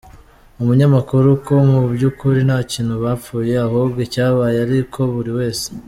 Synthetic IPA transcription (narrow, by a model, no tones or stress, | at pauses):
umuɲamakuɾukʰo̞mubɟukuɾinaːciːn̥huβaːp͡fuːje̞aɦobɡecaːβaːjeaɾikʰo̞βuɾiwe̞ːse̥